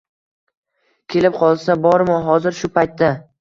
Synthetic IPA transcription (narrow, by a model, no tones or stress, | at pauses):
kʲʰe̞lɪp̚qʰɒlˠsabɒɾmɒɦɒzɪɾʃʊpʰajt̪ːa